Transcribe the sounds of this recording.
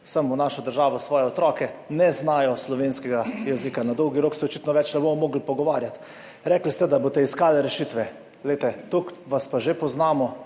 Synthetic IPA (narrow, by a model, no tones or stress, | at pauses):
samunaːʃɔd̪əɾʒaːʋɔsʋɔːjɛɔt̪ɾɔːkɛnɛznaːjɔslɔʋeːnskɛɡajɛzikanad̪ɔwɡiɾoːksɛɔt͡ʃit̪nɔʋɛt͡ʃnɛboːmɔmoːɡlipɔɡɔʋaːɾjat̪ | ɾɛklist̪ɛd̪aboːt̪ɛiskaːlɛɾɛʃiːt̪ʋɛ | ɡlɛɪt̪ɛt̪ukʋaspaʒepɔznaːmɔ